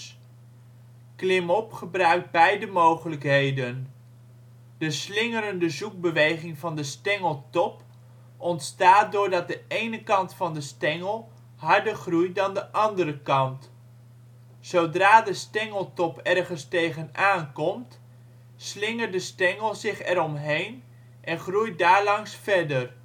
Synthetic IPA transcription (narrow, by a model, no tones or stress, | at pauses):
klɪmɔpχəbrœɥk̚d̚bɛjdəmowχələkɦejdən | d̥əslɪŋəɾəndəzuk̚bəʋejχɪŋvɑndəstɛŋəlˠtɔp | ɔntstaːt̚dʊːɹdɑt̚dəejnəkɑntfɑndəstɛŋəlˠ | ɦɑɹdəɹχrujdɑndəʔɑndəɾəkɑnt | sowdraːdəstɛŋəlˠtɔpɛrχənstejχənaːnkɔmt | slɪŋəɹdəstɛŋəlˠzɪχɛɾɔmɦejn | ʔɛnχruj̚daːɹlɑŋsfɛɹdər